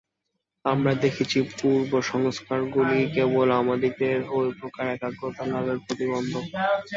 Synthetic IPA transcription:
amɾad̪ekʰit͡ɕʰipuɾboʃɔŋskaɾɡulikebolamad̪ʱik̚d̪eɾɦoepɾokaɾɛkaɡɾot̪ʰalabeɾpɾot̪ibond̪ʱo

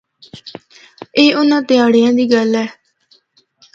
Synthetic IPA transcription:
eːʊnãːt̪ɪaːɽejãːd̪iːɡəlɛː

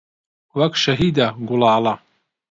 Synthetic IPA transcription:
wɐkʃɐɦiːd̪aɡʊlɑːlɐ

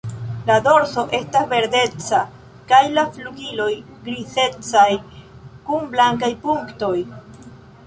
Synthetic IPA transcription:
lado̞ɾso̞ʔe̞stasve̞ɾde̞t͡sa | kajlafluɡilo̞j | ɡɾiθe̞t͡sajkunblaŋkajpuŋkto̞j

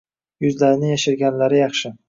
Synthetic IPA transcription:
jʊzlaɾɪnɪjaʃɪɾɡʲanlaɾɪjɑχʃɪ

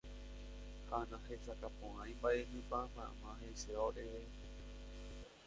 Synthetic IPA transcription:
hanãhesakapõʔãj̃mbaʔeɦɨ̃pamã̰mãɦeseoʔeʋe

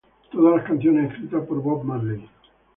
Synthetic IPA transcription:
t̪oðalaskanθjoneeskɾit̪apoɾbɔb̚maɾli

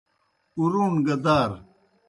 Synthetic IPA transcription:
uɾuːnɡɐd̪aːɾ

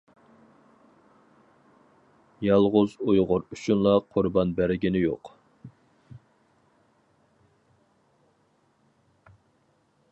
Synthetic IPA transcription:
jɑlˠʁʊzujʁʊɾyt͡ʃʰunlˠɑqʰʊɾbɑnbæɾɪɡʲinɪjo̰q

